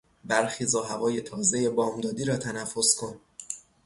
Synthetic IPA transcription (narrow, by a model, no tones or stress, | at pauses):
bæɾxiːzɒːɦævɒːje̞t̪ʰɒːze̞je̞bɒːmd̪ɒːd̪iːɾɒːt̪ʰænæfːo̞skʰo̞n